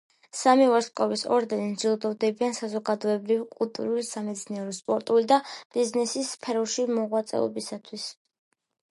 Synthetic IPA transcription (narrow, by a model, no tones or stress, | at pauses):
samivɔɾskʼɔvisɔ̰ɾd̪ɛnind͡ʒilˠd̪ɔvd̪ɛbiansazɔɡad̪ɔɛbɾivkʼulˠt̪ʼṵɾulisamɛd̪sniɛɾɔspʼɔɾt̪ʼulid̪ab̥iznɛsispʰɛɾɔʃimɔʁwat̪sʼɛ̰ɔ̰bisat̪ʰwis